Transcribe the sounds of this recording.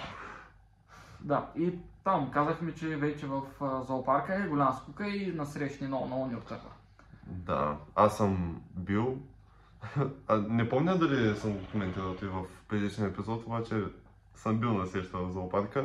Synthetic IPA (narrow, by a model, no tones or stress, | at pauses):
d̪ait̪amkazəxmɛt͡ʃɛvɛt͡ʃɛvɐfzɐopaɾkəɛɡolʲaməskukəinɐsɾɛʃninɔnɐɔnʲiot̪k̪əɾva̰ | d̪a̰asəmbilˠ | nɛpɔmnʲəd̪ɐlisəmɡokomɛnt̪iɾəlˠt̪ivɐfpɾɛd̪it͡ʃniəɛpizɔt̪obat͡ʃɛ | səmbilˠnɐsɾɛʃt̪əvɐzɐopaɾkə